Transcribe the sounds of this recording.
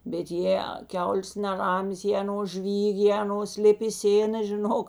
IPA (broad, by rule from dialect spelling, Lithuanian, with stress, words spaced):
bʲɛt ˈjeː ˈkʲɛʊlʲeːs nʲɛˈrɑːmʲeːs jeː ɐˈnoːs ˈʒʲʋʲiːkʲ jeː ɐˈnoːs ˈlʲɪp ɪ ˈsʲeːnɐ ʒʲɪˈnoːk